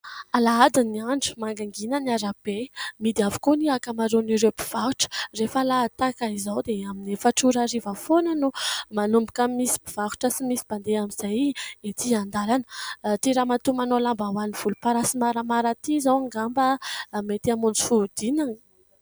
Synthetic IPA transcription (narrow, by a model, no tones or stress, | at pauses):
alaad̪iniaɳɖ͡ʐi̥maŋɡaŋɡinəniaɾab̥emid̪iavu̥koniakamaɾoniɾebi̥v̥aɦuʈ͡ʂə̥refalat̪akaizawd̪eaminefaʈ͡ʂuɾaɾivəfonənumanumbikəmisi̥biv̥aɦu̥ʈ͡ʂəsimisib̥and̪eamiz̥ajet̪iand̪alanət̪iɾamat̪umanolambawaniv̥ulupaɾasimaɾəmaɾət̪izawaŋɡambəmet̪amund͡zi̥fud̪̥inan